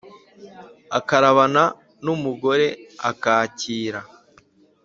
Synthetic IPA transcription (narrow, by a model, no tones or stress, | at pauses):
akaɾaβana | numuɡo̞ɾe̞a̰kaːciːɾa